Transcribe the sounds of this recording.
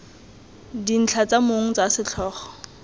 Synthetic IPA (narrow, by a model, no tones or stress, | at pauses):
din̩t͡ɬʰat͡samoŋ̩t͡sasɪt͡ɬʰɔːχɔ̥